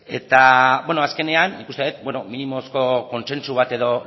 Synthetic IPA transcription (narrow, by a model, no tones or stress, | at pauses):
e̞t̪aβweno̞aske̞ne̞anːikust̪e̞et̪̚bwe̞nominimo̞sko̞ko̞nse̞nsuβ̞at̪e̞ðo̞